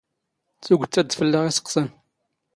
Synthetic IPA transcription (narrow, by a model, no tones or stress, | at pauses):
t͡suɡʷʊt͡sːæd̪fəlːəʁisə̥qːsən